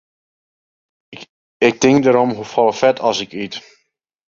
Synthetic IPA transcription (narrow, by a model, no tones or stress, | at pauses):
ɪk̚tɪŋkdəɾɔmɦufɔlˠəfɛtʰɑsɪkit